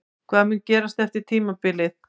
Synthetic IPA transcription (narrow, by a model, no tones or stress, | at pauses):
kʰvaːðamʏncɛːɾast̪ɛft̪ɪɾ̥t̪ʰiːmapɪlɪð